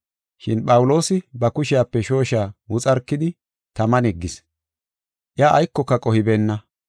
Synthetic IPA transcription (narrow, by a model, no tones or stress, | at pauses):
ʃɪnpʼɐwʊlo̞ːsɪbɐkʊʃɪjaːpːɛʃo̞ːʃaːwʊt͡sʼɐɾkːɪd̪ɪ | t̪ɐmɐnɛɡːɪs | ʔɪjaːʔːjkːɔkːɐkʼɔhɪbeːnːɐ